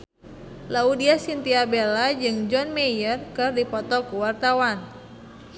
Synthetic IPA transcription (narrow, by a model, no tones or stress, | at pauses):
laudiasint̪iabelad͡ʒɨŋd͡ʒɔnmejərkɨrdipɔt̪ɔkuwart̪awan